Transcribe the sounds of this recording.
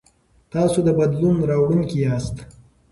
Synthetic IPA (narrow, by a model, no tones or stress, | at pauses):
t̪ɑːsod̪əbad̪lunɾɑwɽuŋkiɑst̪